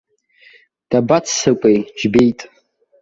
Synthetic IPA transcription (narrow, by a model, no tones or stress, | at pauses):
d̥abat͡sʰsɨkʷʼejd͡ʒbejtʼ